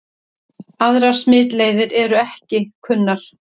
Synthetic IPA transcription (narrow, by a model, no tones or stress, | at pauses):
aðɾaɾ̥smɪːt̪leːjðɪɾɛɾʏɛhcɪkʰʏnːaɾ̥